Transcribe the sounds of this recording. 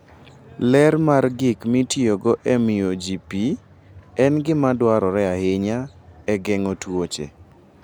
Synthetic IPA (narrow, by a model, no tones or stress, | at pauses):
lɛɾmarɡɪkmitioɡɔʔɛmɪod͡ʒipi | ɛnɡɪmadwaɾɔɾɛahɪɲa | ɛɡɛŋotwot͡ʃḛ